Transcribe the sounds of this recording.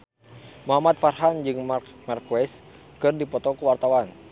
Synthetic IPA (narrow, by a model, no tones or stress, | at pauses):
mɔɦamat̪̚farɦand͡ʒɨŋmarkuɛs | kɨrdipɔt̪ɔkuwart̪awan